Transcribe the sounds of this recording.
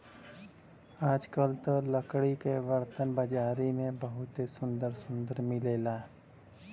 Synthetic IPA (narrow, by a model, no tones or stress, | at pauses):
aːd͡ʒkəlt̪ələkɽikeʋəɾt̪ənbəd͡ʒaːɾimẽbəɦʊt̪esʊ̃nd̪əɾsʊ̃nd̪əɾmɪleːlaː